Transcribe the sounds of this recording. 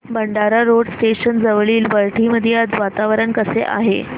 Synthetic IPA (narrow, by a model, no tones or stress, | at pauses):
bəɳɖaɾaɾoɽsʈeɕənd͡zəʋɭiːlʋəɭʈʰiməd̪ʱjead͡zʋat̪aʋɾəɳkəsḛʔa̰ɦḛ